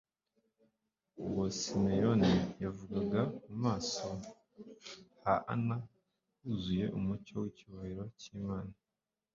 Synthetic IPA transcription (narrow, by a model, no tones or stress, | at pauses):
uwosimejonijavuɡaɡamumaːso | haʔa̰na | uzuje̞ʔumucowiciβahiɾo̞ciːmaːna